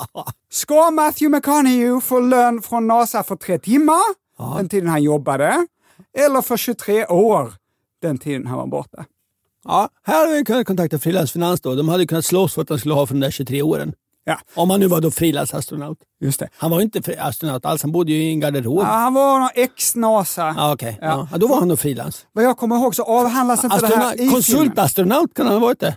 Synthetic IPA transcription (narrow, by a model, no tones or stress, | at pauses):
skɑmæθjʉmɛkʰɑnɪjʉfɔløːnfɾɔnɑːsɑfɔt̪ʰɾeːt̪ʰɪmːəɾ | dɛnt̪ʰiːd̪ənhɑnjɔbːad̪ə | ɛlːəɾfɔɾʃʉːt̪ʰɾeːʔoːɾ | d̪̥ɛnt̪ʰiːd̪ənhɑ̰nʋɑ̰bɔ̰ɾt̪̚d̪ɑ | ɑhæːhaɾaɪʋɪkʰɵnːat̪̚kʰɔnt̪ak̚t̪ɪfɾiːlansfɪnansd̪ɔd̪ɔmhad̪əjəkɵnːat̪slɔsfœɾat̪d̪ɛnskɵləhɑːfœɾɖɛmd̪æɕʉːt̪ʰɾeːoːɾə̰n | ɔmhanːʉ̟ːvad̪ɔfɾiːla̰nsa̰st̪ɾʊna̰ʊt̪ | jɵst̪ɛhanvajʏɪnt̪əfa̰st̪ɾʊnaʊt̪a̰lshanbʊd̪ːəjɵɪɡaɖɛɾoːhanvanɔɛksnɑːsaɑɔkʰɛjɑd̪ɔvaɾhand̪ɔfɾiːla̰nsvajɑɡkʰɔmːəɾɦoːɡsɔɑːvɦand̪lasɪnaəd̪kʰɔnsɵlt̪ast̪ɾʊnaʊt̪kʰanhanhavɑːɾɪt̪̚d̪ɛ